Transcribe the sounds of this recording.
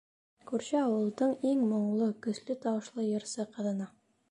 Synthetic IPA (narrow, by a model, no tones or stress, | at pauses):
kʉɾɕɘɑwɤ̆lˠd̪ɤɴiŋmŏɴlˠɤkɵ̆slɘt̪ɑwɤ̆ʃlˠɤjɤ̆ɾsɤqɤ̆ðɤ̆nɑ